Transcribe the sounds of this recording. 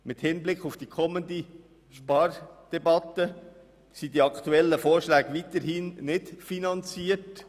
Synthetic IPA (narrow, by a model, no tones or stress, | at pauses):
mɪthɪnblɪkχʊfd̥ikʰɔmənd̪i | ʃpɑrd̥ɛbɑt̪ːə | sidiɑkʰtuɛlːəfoːɾʃlæːɡʋitəɾhiːnnɪtfinɑnt͡siːərt